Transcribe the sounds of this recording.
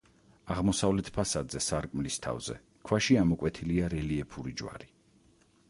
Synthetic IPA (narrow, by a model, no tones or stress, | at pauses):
aʁmɔsavlɛt̪ʰpʰasad̪zɛsaɾkʼmlist̪ʰa̰vzɛ̰ | kʰwaʃiamɔkʼwɛt̪ʰiliaɾɛliɛpʰuɾid͡ʒwa̰ɾi